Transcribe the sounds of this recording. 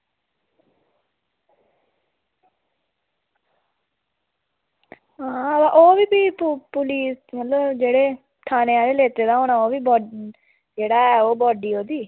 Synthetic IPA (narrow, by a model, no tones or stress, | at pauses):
ɦãːaʔoːʋiːbiːppʊliːsmət̪ləbd͡ʒeːɽeː | ʈʰaːneːãːd̪eːleːt̪eːd̪aːɦoːɽaːoːʋiːbɔː | d͡ʒeːɽaːɛːoːbɔːɖiːɦoːd̪iː